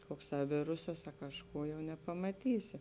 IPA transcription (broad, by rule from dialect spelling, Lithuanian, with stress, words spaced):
ˈkoːkˌsɑː ˈʋʲɪrʊsɐs ɐ kɐʃˈkuː jɛʊ nʲɛpɐmɐˈtʲiːsʲɪ